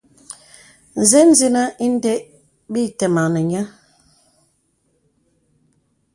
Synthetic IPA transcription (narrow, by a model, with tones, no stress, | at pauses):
n̩˨zɛ˦n̩˦zi˦na˦ʔi˦n̩˦dɛ˦ʔ | bi˦˨tɛ˨ma˨nɛ˨ɲa˦